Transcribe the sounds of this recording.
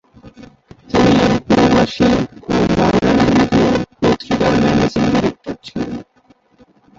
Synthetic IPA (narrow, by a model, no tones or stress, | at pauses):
t̪inipuɾobaʃiomɔɾoɖanbɾit̪opɾot̪kit̪aɾmɛned͡ʑindiɾek̚ʈoɾt͡ɕʰile